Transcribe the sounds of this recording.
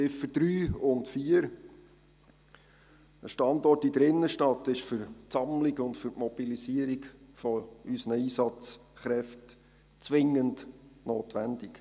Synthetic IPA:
t͡sɪfəd̥ɾyːʊntfiəɾ | əʃtɑndɔrtidəɾɪnːəʃtɑtɪʃfʏɾtt͡sɑmliɡʊndfʏɾʔmɔb̥ilisiəɾikfɔysnəiːsɑt͡sχɾɛft | t͡sʋɪŋːəndnoːtʋænd̥ik

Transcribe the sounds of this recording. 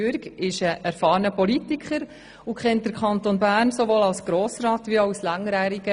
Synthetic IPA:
yɾkɪʃəʔæɾfɑːɾnəpɔlitikχəɾ | ʊkχɛnt̚d̥əɾkʰχɑnt̪onbæːɾnsoʋoːlɑlsɡ̥ɾoːsɾɑːt̪ʋiaʊslæŋɾæːɾiɡə

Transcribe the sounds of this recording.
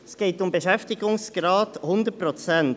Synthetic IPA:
sɡ̥eːtʊmbeʃɛftɪɡʊŋsɡ̥ɾɑːthʊndəpɾot͡sɛn

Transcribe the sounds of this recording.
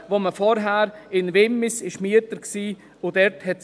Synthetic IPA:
voməfɔɾɦæːɾɪnvemɪsɪʃmyətəɾksiː | ʊdɛɾthɛt

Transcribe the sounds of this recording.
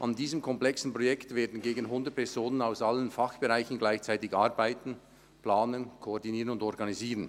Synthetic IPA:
ʔandiːzəmkʰɔmplɛksn̩pʁojɛktveːɐdn̩ɡeːɡən̩ɦʊndət̚pʰɛzoːnənaʊsʔalənfaχb̥eʁaɪçn̩ɡlaɪçt͡saɪtɪçʔaɾbaɪtn̩ | pl̥aːnənkʰoɔʁdiniːʁənʊndɔʁɡaniziːʁən

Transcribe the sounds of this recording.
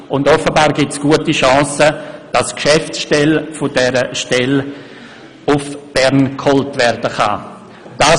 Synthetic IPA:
ʊndɔfəbaːɾɡɪtsɡ̥uətiʃɑ̃ːsəd̥askʃɛftsʃtɛlfʊdɛɾəʃtɛl | ʊfb̥ɛɾnkʰhɔltvɛɾdəχa̰ | d̥a

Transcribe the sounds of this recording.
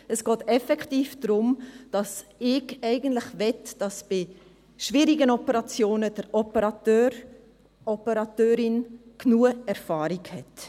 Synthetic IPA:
ɛsɡ̥ɔːtɛfɛktiːfd̥ɾʊmd̥ɑsɪɡɛɪɡən̩tlɪχvɛtd̥ɑsb̥ɪ | ʃviːɾiɡənɔpəɾɑt͡sjoːnəd̥əɾɔpəɾɑtøːɾ | ɔpəɾɑtøːɾɪnknuːəɛɾfɑːɾiɡhɛt

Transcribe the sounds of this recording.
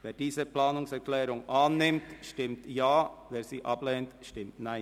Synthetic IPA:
ʋeːɖiːsəpʰlɑːnʊŋsæɾkʰlɛːɾʊŋɑːnːɪmt̪ʃtɪmt̪jɑːʋɛːɾsiːʔɑpleːnt̪ʃtɪmt̪næɪ

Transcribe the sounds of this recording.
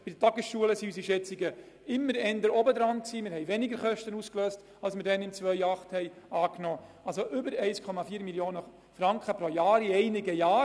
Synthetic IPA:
b̥idətɑɡəsʃuələsiysiʃɛt͡sɪɡə | ɪmːəɾɛnd̪əɾɔbəd̪ɾɑnksiːmɪɾɦhɛɪʋɛnɪɡəɾχœʃtənuːskløːst | ɑlsmɪɾdɛnɪmt͡svœjɑχthɛɪ | ɑːknoː | ɑls̬oʔʏbəɾɛɪskʰɔmɑfiːɾmiljoːnə | fɾɑŋkχəpɾojɑːɾiɛɪnɪɡəjaː

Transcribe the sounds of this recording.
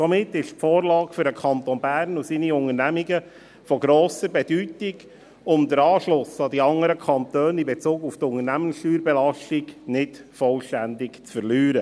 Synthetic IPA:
sɔmɪtːɪʃfoːɾlɑːkfʏɾdəkʰɑnt̪onbæːɾnusiːniʊŋənæmiɡə | fɔɡɾoːsəɾbɛd̥ytɪɡ | ʊmd̪əɾɑːʃlʊsɑdiɑŋəɾəkʰɑnt̪øːnɪmbɛt͡suːɡuftʊŋəɾnæmənsʃtyːɾbɛlɑʃtɪɡnɪtfɔlʃtændɪkt͡sfəɾlyːɾə

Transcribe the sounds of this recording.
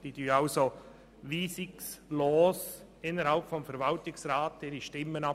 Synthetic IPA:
d̥iːd̥yːaʊso | viːsɪksloːs | ɪnːəɾhalpfɔmfɛɾvɑltɪksɾaːt̚d̥eːɾiʃtɪmːənɑ

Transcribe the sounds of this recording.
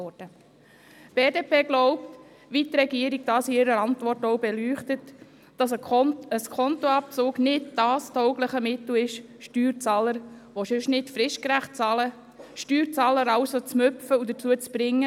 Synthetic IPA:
ɔd̥ə | b̥eːdeːpʰeːɡlɔʊp̚t | ʋitɾɛɡiəɾiɡ̚d̥ɑːsiɪɾəɾɑntvɔrtɔʊbɛlyːχtət | d̥ɑsəəskʰɔntoɑp̚t͡sʊːɡnɪdd̥ɑːstʰɔʊɡləχəmɪtl̩ɪʃ | ʃtyːɾt͡sɑːləɾʋoʃʉʃnɪtfɾɪʃkɾæχt̚t͡sɑlə | ʃtyːɾt͡sɑːləɾɑʊsot͡smʏfəud̪ət͡suət͡sb̥ɾɪŋːə

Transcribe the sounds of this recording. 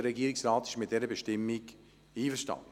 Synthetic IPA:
əɾɛɡiəɾɪksrɑːtɪ̥ʃmɪt̚d̥ɛɾəbeʃtɪmːɪɡ | iːfəʃtɑ̰n

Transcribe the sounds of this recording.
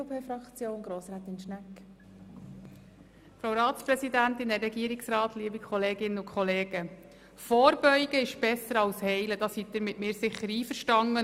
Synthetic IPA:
opʰeːfɾɑkt͡sjoːnɡɾoːsɾaːt̪ɪnʃnæk | fɾawɾɑːt̪sprɛsidænt̪ɪndɛɾɛɡiːəɾɪksrɑːt̪liəbikχɔleːɡɪnːəʊkʰχɔleːɡ̥ə | fɔːɾbœʏɡ̥əɪʃb̥ɛsəɾɑlshɛɪləd̥ɑshit̪̚d̪ɪɾmɪtmɪːɾsɪχːəɾiːfəɾʃtɑŋːə

